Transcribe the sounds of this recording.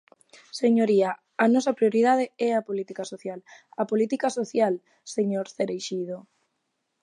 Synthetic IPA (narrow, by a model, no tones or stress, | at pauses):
seɲoɾia | anɔsɐpɾioɾið̞að̞eɛɐpolit̪ikasoθjalɐpolit̪ikasoθjal | seɲoɾθeɾejʃið̞o